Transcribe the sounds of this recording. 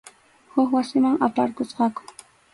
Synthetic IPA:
hʊkwasɪmaŋapaɾkʊsqɑkʊ̥

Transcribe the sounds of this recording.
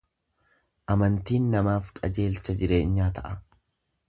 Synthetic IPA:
ʔɐmɐnt̪iːnːɐmaːfkʼɐd͡ʒe̞ːlt͡ʃːɐd͡ʒɪɾe̞ːɲːaːt̪ɐʔɐ

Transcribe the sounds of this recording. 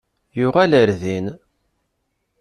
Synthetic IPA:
jʊʁæləɾðin

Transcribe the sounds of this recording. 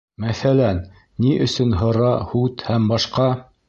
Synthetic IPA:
mæθælænː | iʔɵ̆sɵnɦɤ̆ɾɑhut̪hæmbɑʃqɑ

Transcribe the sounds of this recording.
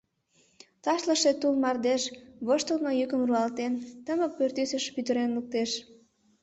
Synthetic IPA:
t̪ɑʃləʃet̪ulmɑrd̪eʃβoʃt̪əlnojykəmruɑlt̪ent̪əmə̆k̚pørt̪ysəʃpyt̪əɾenluk̚t̪eʃ

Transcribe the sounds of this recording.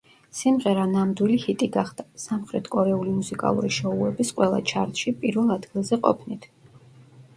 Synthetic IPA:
simʁɛɾanamd̪wilihit̪ʼiɡaχd̪̥asamχɾɛt̪ʰkʼɔɾɛulimusikʼa̰lˠṵɾiʃɔuɛbisqʼwɛlˠa̰t͡ʃʰaɾt̪ʃipʼiɾvɛlˠad̪ɡilˠzɛqʼɔ̰pʰnit̪ʰ

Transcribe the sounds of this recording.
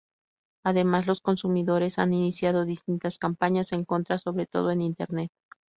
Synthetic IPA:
aðe̞mazlo̞sko̞nsumiðo̞ɾe̞sa̰ninisjaðo̞ðist̪int̪askampaɲase̞ŋko̞nt̪ɾaso̞βɾe̞t̪o̞̰ð̞o̞e̞nint̪e̞ɾne̞t̪̚

